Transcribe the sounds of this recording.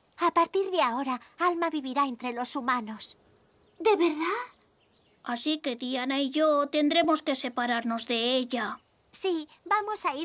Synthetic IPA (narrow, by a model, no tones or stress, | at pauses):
apaɾt̪iɾðeao̞ɾaalmaβiβiɾaent̪ɾe̞lo̞sumano̞s | d̪e̞βeɾðað | asike̞ðianaiʝot̪e̞nd̪ɾe̞mo̞ske̞se̞paɾaɾno̞zðe̞eʎa | si | bamo̞sai